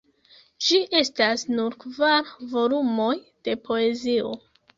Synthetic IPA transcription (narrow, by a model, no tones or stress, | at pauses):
d͡ʒiʔe̞stasnuɾkvaɾvo̞lumo̞j | d̥e̞pʰoe̞zio̞̰